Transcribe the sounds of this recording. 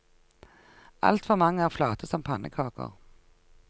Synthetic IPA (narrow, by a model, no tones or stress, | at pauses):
ʔɑ̰lt̪fɔʁmɑŋːəæːʁflɑːt̪əsɔmpʰɑnʔəkʰɑːkə̰ʁ